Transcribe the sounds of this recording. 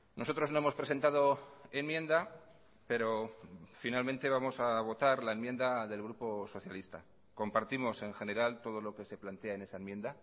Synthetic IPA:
nʔo̞so̞t̪ɾo̞zno̞emo̞spɾe̞se̞nt̪að̞o̞e̞nmje̞nd̪a | pe̞ɾo̞finalmẽ̞nt̪e̞βamo̞saβ̞o̞t̪aɾlaenmje̞nd̪aðe̞lɣ̞ɾupo̞so̞θjalist̪a | ko̞mpaɾt̪imo̞se̞ŋxe̞ne̞ɾalt̪o̞ð̞o̞lo̞ke̞se̞plant̪e̞ae̞ne̞saemje̞nd̪a

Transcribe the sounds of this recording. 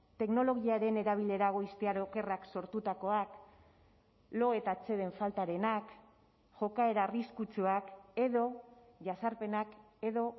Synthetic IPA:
t̪e̞kno̞lo̞ɣiaɾe̞ne̞ɾaβ̞ile̞ɾaɣ̞o̞ist̪eaɾoke̞rakso̞ɾt̪ut̪ako̞ak | lo̞e̞t̪at͡se̞ðe̞ɱfalt̪aɾe̞nak | ʝo̞kae̞ɾaːriskut͡suake̞ðo̞ʝasaɾpe̞nak | e̞ðo̞

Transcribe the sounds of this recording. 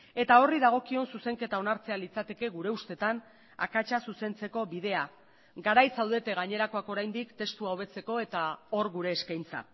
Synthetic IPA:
e̞t̪ao̞riðaɣ̞o̞kio̞nsuse̞ŋke̞t̪ao̞naɾt͡se̞alit͡sat̪e̞ke̞ɣuɾe̞ust̪e̞t̪an | a̰kat͡ʃasuse̞nt͡se̞ko̞βiðe̞a | ɡaɾajsawðe̞t̪e̞ɣaɲe̞ɾako̞ako̞ɾajnd̪ikt̪e̞st̪uaoβ̞e̞t͡se̞ko̞e̞t̪ao̞ɾɣuɾe̞ːskajnt͡sa̰

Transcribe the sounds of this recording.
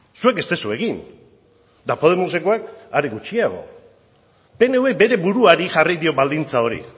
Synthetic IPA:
sue̞ke̞st̪e̞sue̞ɣin | d̪apo̞ð̞e̞mosekoakaɾeɣut͡ʃiaɣ̞o̞̰ | pe̞ne̞uwekbe̞ɾe̞βuɾuaɾixʝarijðio̞βald̪int͡sao̞ɾḭ

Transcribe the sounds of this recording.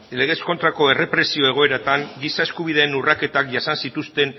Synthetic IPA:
le̞ɣ̞e̞sko̞nt̪ɾako̞e̞re̞pɾe̞sio̞e̞ɣ̞o̞e̞ɾat̪aŋɡisae̞skuβ̞iðe̞ːnurake̞t̪akʝasansit̪ust̪e̞n

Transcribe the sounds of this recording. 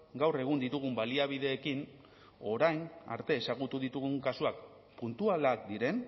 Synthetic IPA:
ɡawre̞ɣ̞und̪it̪uɣ̞umbaliaβ̞iðe̞ːkin | o̞ɾajna̰ɾt̪e̞ːsaɣ̞ut̪uðit̪uɣuŋkasuak | punt̪ualakd̪iɾe̞n

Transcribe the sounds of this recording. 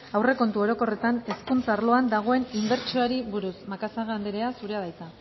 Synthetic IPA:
awre̞ko̞nt̪uo̞ɾo̞ko̞re̞t̪ane̞skunt͡sarlo̞and̪aɣ̞o̞e̞nimbe̞ɾt͡ʃioaɾiβuɾusmakasaɣand̪eɾeasuɾeað̞ajt̪a

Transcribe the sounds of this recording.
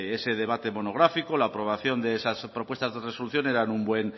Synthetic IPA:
ese̞ðe̞β̞at̪e̞mo̞no̞ɣɾafikolaːpɾo̞β̞aθjo̞nd̪eesaspɾopwe̞st̪azðe̞reso̞luθjo̞ne̞ɾanumbwe̞n

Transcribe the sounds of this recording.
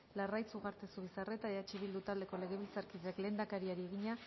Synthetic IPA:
larajt͡suɣaɾt̪e̞suβisare̞t̪aeat͡ʃiβild̪ut̪ald̪e̞ko̞le̞ɣe̞βilt͡saɾkiðeakle̞ːnd̪akaɾiaɾie̞ɣiɲa

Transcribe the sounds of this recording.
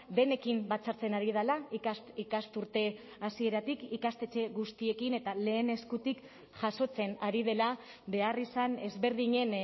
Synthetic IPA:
d̪e̞ne̞kimbat͡saɾt͡se̞naɾið̞alaikast̪ikast̪uɾt̪e̞ | asie̞ɾat̪ikikast̪e̞t͡ʃe̞ɣust̪ie̞kine̞t̪ale̞ːne̞skut̪ik | ʝaso̞t͡se̞naɾið̞e̞la | be̞arisane̞zβe̞ɾðiɲe̞n

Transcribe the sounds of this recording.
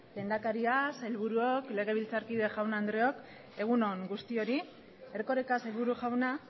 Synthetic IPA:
le̞nd̪akaɾiaselβuɾuo̞kle̞ɣ̞e̞β̞ilt͡saɾkið̞e̞ʝawnaːnd̪ɾeo̞k | e̞ɣ̞uno̞ŋɡust̪io̞ɾi | eɾko̞ɾekase̞lβuɾuʝawna

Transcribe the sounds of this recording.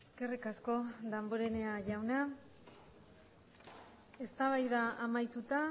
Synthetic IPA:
eske̞rikasko̞ðamboɾene̞aʝawna | e̞st̪aβajðaːmajt̪ut̪a

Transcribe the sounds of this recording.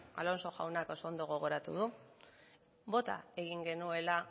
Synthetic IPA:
a̰lo̞nso̞xawnako̞sond̪o̞ɣ̞o̞ɣ̞o̞ɾat̪uðu | bo̞t̪a̰e̞ɣiŋɡe̞nue̞la

